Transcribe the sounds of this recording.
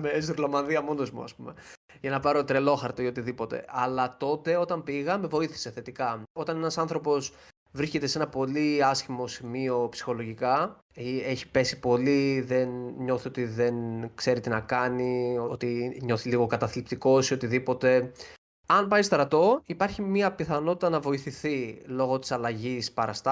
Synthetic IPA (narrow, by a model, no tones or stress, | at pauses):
meezɾlɐmɐnðiɐmo̞no̞zmṵɐ̰spume̞ | ʝɐnɐpɐɾo̞t̪ɾe̞lo̞xɐɾt̪oio̞t̪iðipo̞t̪e̞̰ʔɐlɐt̪o̞t̪e̞o̞t̪ɐmpiɣɐme̞vo̞iθi̥se̞θe̞t̪ikɐo̞t̪ɐne̞nɐsɐnθɾo̞po̞s | vɾisce̞t̪ese̞nɐpo̞liɐsçimo̞simio̞psi̥xo̞lo̞ʝikɐ | ieçi̥pe̞si̥po̞liðe̞nɲo̞θio̞t̪iðe̞nkse̞ɾit̪inɐkɐnioot̪iɲo̞θiliɣo̞kɐt̪ɐθlip̚t̪iko̞sio̞t̪iðipo̞t̪e̞ | ɐnpɐist̪ɾɐt̪o̞ipɐɾçimiɐpiθɐno̞t̪it̪ɐnɐvo̞iθiθilo̞ɣo̞t̪i̥sɐlɐʝispɐɾɐst̪ɐ